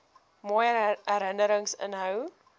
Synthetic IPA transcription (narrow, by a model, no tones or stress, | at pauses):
mɔjəɾɦəndəɾəŋsə̰nɦəw